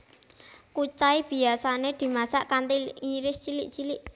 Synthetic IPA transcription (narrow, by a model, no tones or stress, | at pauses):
kut͡ʃaib̥i̤asaned̪̥i̤masaʔkant̪iŋiɾɪst͡ʃilɪʔt͡ʃilɪʔ